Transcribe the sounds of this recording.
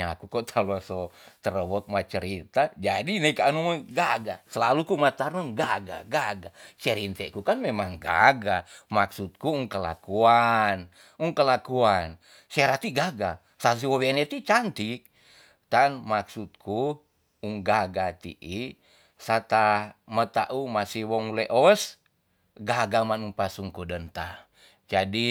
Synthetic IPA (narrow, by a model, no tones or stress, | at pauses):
akukɔt̪ʰalɔsɔt̪əɾəwɔk̪̚mat͡ʃəɾit̪ad͡ʒadinekaanuŋaɡaɡasəlalukumat̪arnaŋɡaɡa̰ɡaɡat͡ʃɛɾint̪ɛʔkukanmemaŋɡa̰ɡamaksut̪̚kuuŋkəla̰kuan | uŋkəlakuan | seɾat̪iɡaɡa | sas̬iowenet̪it͡ʃant̪ik̚ | t̪anmaksut̪̚kʰu | uŋɡaɡat̪ḭʔi | sat̪amət̪aʔumasiwɔŋleʔɔs | ɡaɡamanuŋpasuŋkudənt̪a | d͡ʒadi